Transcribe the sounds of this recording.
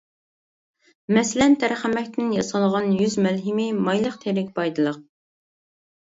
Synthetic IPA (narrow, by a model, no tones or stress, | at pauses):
mɛslɛnt̪ʰæɾχæmɛkʲt̪ʰɪnjɑsɑlˠʁɑnjyzmɛlɦɪmɪmɑjlˠəqt̪ʰeɾɪkʲbɑjd̪ɨlˠəq̚